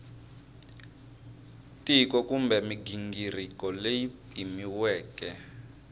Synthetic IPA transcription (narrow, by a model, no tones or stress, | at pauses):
tikɔkumbɛmiɡiŋɡirikɔlejipʼimiwɛːkɛ